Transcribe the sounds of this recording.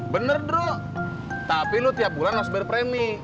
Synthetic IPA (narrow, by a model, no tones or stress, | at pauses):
bənərdo | t̪apilʊt̪iap̚bulanasbɛrpɾemi